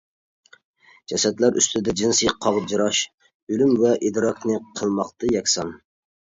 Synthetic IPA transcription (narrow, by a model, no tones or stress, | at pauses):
d͡ʒɛsɛt̪læɾʔy̰st̪ʰɪd̪ɛd͡ʒinsɨjqʰɑʁd͡ʒiɾɑʃ | ølymvɛʔid̪ɾɑknɨqʰəlˠmɑqt̪ɨjɛkʲsɑn